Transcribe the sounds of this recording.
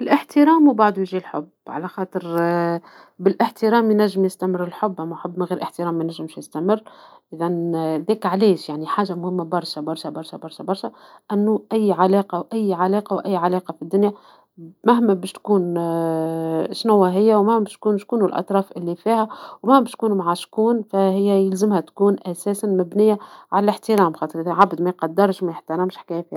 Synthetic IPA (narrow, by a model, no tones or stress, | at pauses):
ɪlʔɪħt̪əɾɑːmubaʕd̪ujʒilħʊ̰b | ʕa̰læxɑːt̪ˤəɾ | bɪlʔɪħt̪əɾɑːmjnæʒːɪmjɪst̪æmərːɪlħʊbːʔæmːæħʊbːmæɣiːɾʔəħt̪əɾɑːmːæjnæʒːɪmʃjɪst̪æmɪrːʔɪðænðɛːkʕaleːʃjaʕniħaːʒamʊhɪmːabɑɾˤʃæbɑɾˤʃæbɑɾˤʃæbɑɾˤʃæbɑɾˤʃæʔænːuʔæjːʕalɑːqɑwʔæjːʕalɑːqɑwʔæjːʕalɑːqɑfid̪ːʊnjæ | mæhmæbæːʃt̪kuːn | ʃnʊwːaɦɪjːæwmahmæbæʃt̪kuːnʃkuːnʊlʔɑ̰t̪ˤɾˤɑːfʔɪlːifiːhæwmæhmbæːʃt̪̚kuːnmʕaʃkuːnfæhɪjːæjɪlzɪmhæt̪kuːnʔæsæːsanmæbnɪjːaʕalælɪħt̪ɪɾˤɑːmxɑːt̪ˤəɾʔɪðæʕabd̪mæjqɑd̪ːɪɾˤʃmæjɪħt̪ɑɾˤɑːmʃħkæːjæfiːha